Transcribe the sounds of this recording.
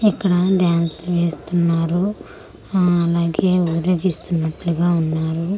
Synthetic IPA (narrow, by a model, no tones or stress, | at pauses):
ikːɐɽɐɖjaːnsluʋeːst̪unːaːɾu | ɐlaːɡe̞ːupɾjo̞ːɡist̪unːɐʈluɡaːunːaːɾu